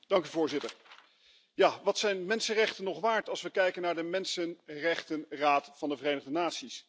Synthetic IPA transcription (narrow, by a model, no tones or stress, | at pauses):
d̥ɑŋkyvʊːɹzɪtəɹ | jaːʋɑtsɛjnmɛnsənrɛχtənːɔχʋaːɹtɑlˠsʋəkɛjkənaːɹdəmɛnsənrɛχtənraːtfɑndəvərejnəχdənaːtsis